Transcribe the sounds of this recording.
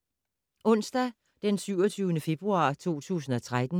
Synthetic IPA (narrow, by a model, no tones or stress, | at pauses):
ɔ̽n̰sd̥æ | d̥ensyʊɒt͡sʰyːʊnəfe̝b̥ʁuɑ̈ːt͡sʰo̝̰ːt͡sʰṵːsn̩ɒ̽t͡sʰʁad̥n̩